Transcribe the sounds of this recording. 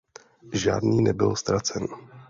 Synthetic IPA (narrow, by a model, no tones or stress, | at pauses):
ʒa̰ːdniːnɛbɪlst̪ɾat͡sɛn